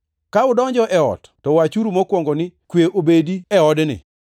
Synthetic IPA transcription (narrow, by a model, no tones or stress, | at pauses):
kaʊdɔɲd͡ʒɔʔɛɔ̰tːɔwat͡ʃuɾumokwɔŋɡonɪkweʔobediɛɔdnɪ̰